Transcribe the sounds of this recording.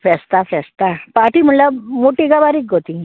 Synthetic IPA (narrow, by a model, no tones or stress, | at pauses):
fɛst̪afɛst̪apaʈim̤əɳlamoʈiɡabaɾik̚ɡʱot̪ĩ